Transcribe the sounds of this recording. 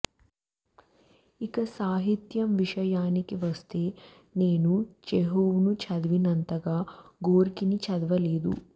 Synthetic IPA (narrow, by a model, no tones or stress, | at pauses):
ikɐsaːɦit̪jɐmʋiʂɐjaːnikiʋɐst̪e̞ː | neːnud͡ʒeɦoːʋnut͡ʃɐd̪ʋinɐnt̪ɐɡaːɡoːɾkinit͡ʃɐd̪ʋɐleːd̪ṵ